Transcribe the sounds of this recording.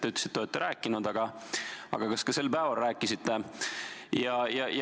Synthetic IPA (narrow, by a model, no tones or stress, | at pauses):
t̪eyt̪ːle̥sit̪ːoet̪ːeɾæːkːˑinud̪ɑɡ̥ɑɑ̰ɡ̥ɑkɑskɑse̞lpæːvɑlræːkːˑisit̪ːe | jɑjɑj